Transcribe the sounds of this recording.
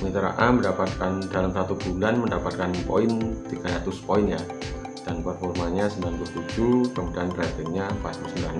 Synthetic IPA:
mit̪əɾa̰ʔaməndapat̪̚kandalamsat̪ubulanməndapat̪̚kanpo̰ɪnt̪iɡ̥adat̪uspoɪnɲa | d̥anpərfɔrmaɲasəmblanpuaht̪ud͡ʒukəmudaankɾat̪iɲapast̪usəmblan

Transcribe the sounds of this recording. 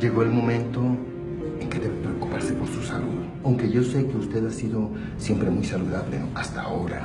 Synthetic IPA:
d͡ʒe̞ɣo̞elmõ̞mẽ̞nt̪o̞ | eŋke̞ðeβepɾeokupaɾse̞po̞ɾsusaluð | awŋke̞ʝo̞seke̞ust̪e̞ðasiðo̞ | sje̞mpɾemujsaluðaβlenoast̪aːoɾa̰

